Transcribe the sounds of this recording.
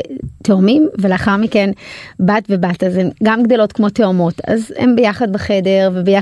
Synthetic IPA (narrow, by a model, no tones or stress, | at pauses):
teomimveleaχaʁmikenbatvebatazemɡamɡdo̞lo̞tkmo̞teomo̞ta̰zhḛmbejaχad̚baχede̞ʁvebeja